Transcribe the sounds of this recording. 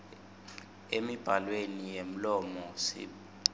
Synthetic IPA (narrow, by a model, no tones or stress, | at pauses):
emib̥ʱalwenijem̩lɔmɔsḭ